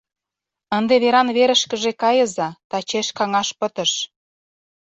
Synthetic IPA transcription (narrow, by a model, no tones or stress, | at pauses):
ənd̪eβeɾɑnβeɾə̆ʃkə̆ʒekɑjəzɑt̪ɑt͡ɕeʃkɑŋɑʃpə̆t̪əʃ